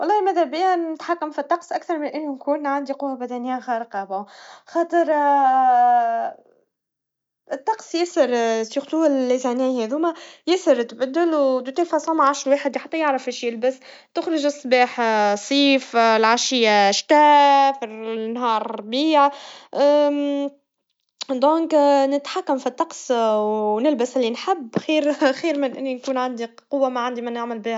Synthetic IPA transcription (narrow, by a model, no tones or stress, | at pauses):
wɑlˤːɑːmæðæbɪjænɪt̪ħakːæmfit̪ˤːɑqsʔakθɑɾˤmɪnʔɪlːnkuːnʕand̪iqʊwːabæd̪ænɪjːaxɑːɾəqɑbaxɑːt̪ˤəɾ | ɪt̪ˤːɑqsˤjɪsɪɾsixt̪uːɪllːizænæjhɛðumæjɪsəɾt̪bæd̪ːɪlwt̪t̪ilfɑsˤɑmaʕaʃɾweːħəd̪ħat̪ːæjaʕɾəfɪʃjɪlbəs | t̪ʊxɾɪʒɨsˤːbɑːħsˤiːflʕaʃɪjːaʃt̪æːfinɦɑːɾˤbiːʕ | d̪õːŋknɪt̪ħakːamfit̪ˤːɑqswnɪlbɪsʔɪlːinħabːxiːɾxiːɾmɪnʔɪ̰nːinkuːnʕand̪i | qʊwːamaʕand̪imænaʕmɪlbiːh